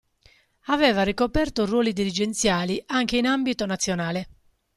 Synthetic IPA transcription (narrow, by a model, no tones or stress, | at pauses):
avɛːvarikopɛrt̪orwɔːlid̪iɾid͡ʒent̪sjaːliʔaŋk̟einambit̪onat̪sːjonaːle